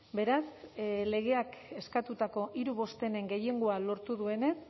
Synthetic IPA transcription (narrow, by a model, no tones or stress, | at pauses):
be̞ɾasle̞ɣ̞e̞ake̞skat̪ut̪ako̞ʔiɾuβ̞o̞st̪e̞ne̞ŋɡe̞je̞ŋɡoalo̞ɾt̪uðue̞ne̞s